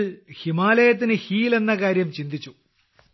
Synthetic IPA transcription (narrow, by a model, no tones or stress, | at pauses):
ɭhimaːlɐjɐt̪̬ːinɨhiːle̞nːɐkaːɾjɐmt͡ɕind̪it͡ɕːu